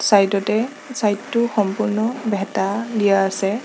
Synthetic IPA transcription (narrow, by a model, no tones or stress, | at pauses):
sajtɔtɛ | sajtːʊxɔmpʊɹnɔbɛtalijaːsɛ